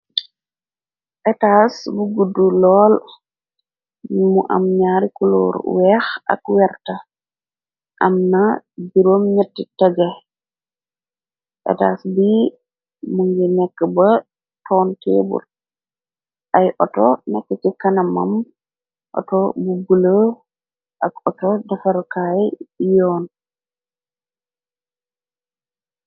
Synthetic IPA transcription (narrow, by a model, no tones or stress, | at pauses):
ʔɛtasbuɡudːulɔːl | muʔa̰mɲaːɾikulo̰ɾwɛxa̰kwɛɾta | ʔamnabiɾomɲatːitaɡa | ʔɛ̰taːsbi | muŋɡɛnɛkːaba | tɔnteːbṵl | ʔajʔɔtɔnɛkːɛt͡ʃikanama̰m | ʔɔ̰tɔbubulə | ʔakɔtɔdafaɾkajɔːn